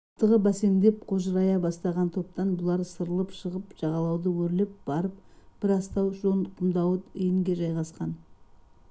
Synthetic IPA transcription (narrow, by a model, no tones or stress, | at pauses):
t̪ːəʁəbæse̞nd̪e̞p̚qʰo̞ʒəɾɑjɑbɑst̪ɑʁɑnt̪ʰo̞p̚t̪ɑnbʊlˠɑɾsəɾəlˠəpʃəʁəpʒ̥ɑʁɑlˠɑwd̪əwɵɾlep̚b̥ɑɾəp̚b̥ɪɾɑst̪ɑwʒonqʰʊmd̪ɑwət̪ijɪŋɡʲe̞ʒɑjʁɑsqɑn